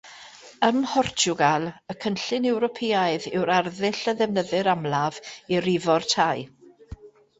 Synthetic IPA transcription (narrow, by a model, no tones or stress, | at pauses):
əmhɔrt͡ʃʊɡalˠəkʰənɬɪnɛwɾɔpʰeːaɨðɪwɾarðɪɬəðɛvnəðɨɾamlˠaviɾɪvɔrtʰaj